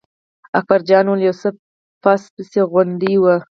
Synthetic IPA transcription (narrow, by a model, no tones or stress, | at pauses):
ak̚baɾd͡ʒɑnwəljawsə | pɑspəseɣwand̪iwə